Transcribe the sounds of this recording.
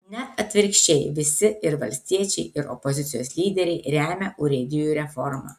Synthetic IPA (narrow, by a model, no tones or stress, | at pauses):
nʲɛt̪ɐt̪ʲʋʲɪɾʲkʃʲt͡ʃʲɛɪʋʲɪsʲɪɪɾʋɐlʲsʲt̪ʲiɛt͡ʃʲɛɪɪɾɔ̰pɔzʲɪt̪sʲɪjoːslʲiːd̪ʲɛɾʲɛɪɾʲæːmʲɛʔʊɾʲɪd̪ʲɪjuɾʲɛfɔɾmɑ̰ː